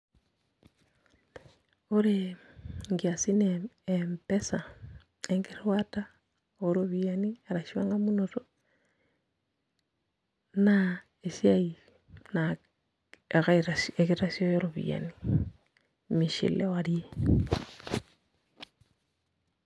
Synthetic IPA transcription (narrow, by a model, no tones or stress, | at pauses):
oɾe | ŋɡiasineempesa | eŋɡeɾwata | oɾoβianiaɾaʃiwaŋɡamunoto | na | esjai | na | ɣaɾasekeɾasjojoɾoβḭa̰ni | miʃḭlewaɾie